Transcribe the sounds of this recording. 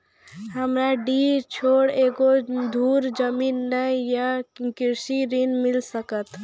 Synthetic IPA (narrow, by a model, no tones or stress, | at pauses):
ɦəmɾaɖit͡ʃʰoɽeɡod̪ʱuːɾd͡ʒəmiːnːəjakiɾsiɾinmɪlsəkət̪